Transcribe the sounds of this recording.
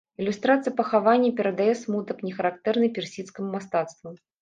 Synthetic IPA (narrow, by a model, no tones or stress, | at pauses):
ilʲust̪ɾat̪sɨjɐpɐxavanʲːɐpʲɛɾɐd̪ajɛsmut̪ɐpnʲɛxɐɾakt̪ɛrnɨpʲɛrsʲit̪skɐmumast̪at̪st̪vɐ